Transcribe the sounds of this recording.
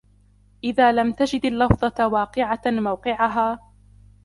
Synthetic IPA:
ʔɪðaːlamt̪ad͡ʒɪd̪alːɑfðˤɑwɑːqɨʕamawqɪʕaɦaː

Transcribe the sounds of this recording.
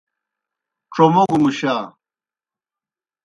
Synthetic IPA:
ʈ͡ʂomoɡumuɕaː

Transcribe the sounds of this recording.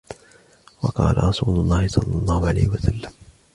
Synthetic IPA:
wɑqɑ̰ːla̰ɾˤɑsˤuːlʊlˤːɑːhɪsˤɑlːɑlˤːɑːhʊʕala̰jhɪwasalːam

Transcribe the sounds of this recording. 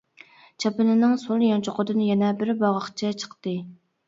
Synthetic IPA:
t͡ʃʰɑpɨnɨnɨŋsolˠjɑnt͡ʃʰoqʰəd̪ɨnjɛnɛbɪɾbɑʁɑχt͡ʃʰɛt͡ʃʰə̥qt̪ɨ

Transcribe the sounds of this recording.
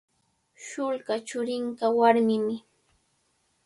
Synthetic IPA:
ʃʊlɢat͡ʃʊɾɪɴkawaɾmɪmɪ

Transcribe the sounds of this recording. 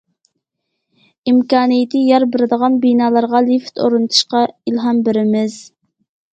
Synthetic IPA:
imkʲɑːnijɪt̪ʰɨjɑɾbɪɾɪd̪əʁɑnbinɑːlˠɑɾʁɑlift̪ʰo̰ɾunt̪ʰu̥ʃqɑilɦɑmbɪɾɪmɪz

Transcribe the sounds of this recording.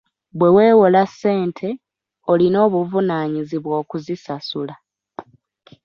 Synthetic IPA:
βwe̞we̞ːwolase̞ːntʰe̞ | o̞lino̞ːβuvunaːɲiziβwoːkuzisasula

